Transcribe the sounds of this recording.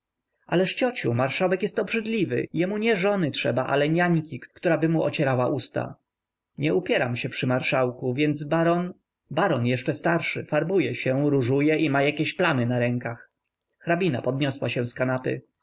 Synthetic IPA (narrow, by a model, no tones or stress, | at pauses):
ʔalɛʂt͡ɕɔt͡ɕumaɾʂawɛkjɛst̪ɔbʐɘd̪lʲivɘ̰jɛmuɲɛʐɔnɘtʂɛbaʔa̰lɛɲaɲkʲikkt̪uɾabɘmuʔɔ̰t͡ɕɛɾawaʔust̪a̰ | ɲɛupʲjɛɾa̰mɕɛpʂɘmaɾʂawkuvʲjɛnd̪zbaɾɔn | baɾɔnjɛʂt͡ʂɛst̪aɾʂɘ̰faɾbujɛɕɛɾuʐujɛʔimajakʲeɕplanɘnaɾɛŋkax | xɾabʲina̰pɔd̪ɲɔswaɕɛ̃skanapɘ̰